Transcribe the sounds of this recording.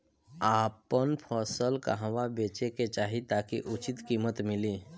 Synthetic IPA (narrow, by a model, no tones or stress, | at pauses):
apənpʰɔsəlka̰ɦʋabet͡ʃeket͡ʃaːɦit̪akiʔut͡ʃit̪kiːmət̪mɪliː